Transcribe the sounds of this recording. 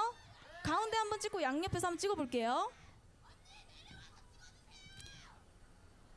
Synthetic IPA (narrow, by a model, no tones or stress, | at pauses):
kaunde̞hambʌnt͡ɕ͈ik͈ʰːojaŋɲʌpʰe̞sʰʌamʌnt͡ɕ͈iɡʌboɭk͈e̞jo